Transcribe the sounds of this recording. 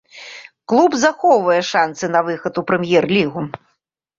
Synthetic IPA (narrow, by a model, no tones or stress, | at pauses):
klˠubzaxɔwvɐjɛʂansɨn̪ɐvɨxɐt̪upɾɛmʲjɛrlʲiɣu